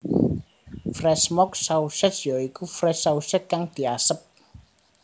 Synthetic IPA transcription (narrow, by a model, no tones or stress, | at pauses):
frɛsmɔksauʃəsjɔikufrɛsausət̪̚kaŋd̪̥i̤asəp̚